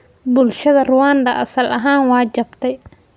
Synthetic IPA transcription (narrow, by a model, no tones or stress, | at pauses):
bʊlʃɐðɐrʊwaːnd̪ɐʔɐsɐlʔɐɦaːnwɑːt͡ʃɐbt̪ʰɛj